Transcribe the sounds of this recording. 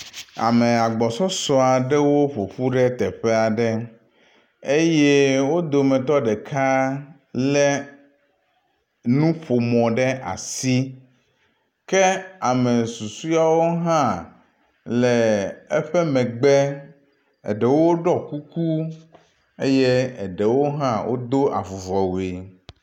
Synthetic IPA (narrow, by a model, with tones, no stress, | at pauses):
a̰˨mɛ˨a˨ɡ͡bɔ˨sɔ˦sɔ˦a˨ɖɛ˦wo˦ɸo˨ɸu˦ɖɛ˦t̪ɛ˨ɸɛ˦a˨ɖɛ˦ | e˦je˦wo˦d̪o˨mɛ̃˨t̪ɔ˦ɖɛ˨kʰa˦ | lɛ˦ | nũ˦ɸo˨mɔ̃˨ɖɛ˦ʔa̰˨si˦ | kɛ˦a˨mɛ˨su˨su˦a˦wo˦ɦã˦ | lɛ˨ɛ˦ɸɛ˦mɛ̃˨ɡ͡bɛ˦ | ɛ̰˨ɖɛ˨wo˦ɖɔ˦ku˦ku˦ | e˦jɛ˦ɛ˨ɖɛ˨wo˦ɦã˦wʔo̰˦d̪o˦ʔa̰˨vo˨vɔ˨we˨